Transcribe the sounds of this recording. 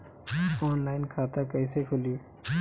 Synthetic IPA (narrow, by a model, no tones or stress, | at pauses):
ɔːnlaːɪnkʰaːt̪akɐsekʰʊlio